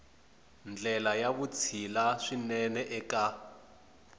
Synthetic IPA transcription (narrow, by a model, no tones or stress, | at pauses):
nd͡ɮɛlajaβut͡sʰilaʂinɛnɛʔɛka